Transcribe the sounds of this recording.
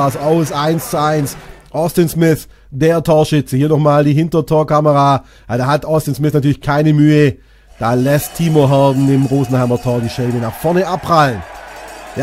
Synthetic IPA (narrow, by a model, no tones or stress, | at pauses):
asaʊsaɪnst͡suaɪnsʔɔstɪnsmɪθ | d̥eːɐtʰoːɐʃɪt͡səhiːɐnɔχmaːldiːɦɪntɐtʰoːɐkaməʁa | jadaːhatɔstɪnsmɪθnatʰyːɐlɪçkʰaɪnəmyːə | d̥aːlɛstʰːiːmoɦaɐdn̩ɪmʁoːzn̩haɪmɐtʰɔːɐdiːʃɛɪbənaχfɔɐnəʔapʁalənja